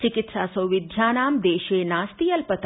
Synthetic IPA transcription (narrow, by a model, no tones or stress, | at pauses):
t͡ʃɪkɪt̪ʃaːsəwʋɪd̪ʱjaːnaːmd̪eːʃenaːst̪iːɐlpət̪